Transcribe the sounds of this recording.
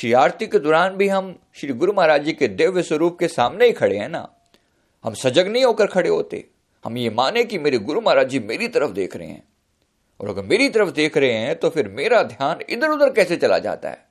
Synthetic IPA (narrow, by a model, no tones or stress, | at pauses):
ʃiaːɾt̪iked̪ɔːɾaːnbʱiɦɐm | ʃɪɾiɡʊɾumaːɾaːd͡ʒiked̪eːʋɪsəɾuːp̚kesaːmneikʰɐɽeɦɛ̃ːna̰ː | hɐmsɐd͡ʒəɡnɐɦĩɦoːkəɾkʰɐɽeɦo̰ːt̪ḛ | hɐ̰mjemaːnekimeːɾiɡʊɾmaːɾaːd͡ʒimḛːɾit̪ɐɾəfd̪ḛːkʰɾɐɦḛ̃ɦɛ̰̃ː | ɔ̰ːɾɐ̰ɡəɾmeːɾit̪ɐɾəfd̪eːkʰɾɐɦẽɦɛ̃t̪opʰɪɾmeːɾad̪ʱjaːnɪ̰d̪əɾʊd̪əɾkɛːset͡ʃɐla̰d͡ʒa̰ːt̪a̰ɦɛ̰ː